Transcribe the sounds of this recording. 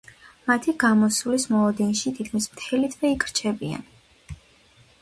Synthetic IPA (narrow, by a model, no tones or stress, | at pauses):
mat̪ʰiɡamɔsulismɔlˠɔd̪ɛnʃit̪ʰit̪̚kʰmismt̪ʰɛlit̪ʰvɛikʼʰɾt͡ʃʰɛbia̰n